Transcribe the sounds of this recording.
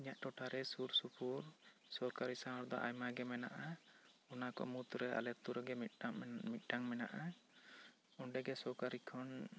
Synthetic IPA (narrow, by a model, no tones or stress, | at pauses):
iɲaʔʈɔʈaɾɛsuɾsupʰuɾ | sɔɾkaɾisãɔɾd̪ɔ̰ʔa̰jmaɡɛmɛnaʔaɔnakɔ̰mut̪uɾɛa̰lɛt̪uɾɛɡɛm̚mit̪̚ˀɖaŋmɛna̰ʔa | ɔɳɖɛɡɛsɔɾkaɾikʰɔn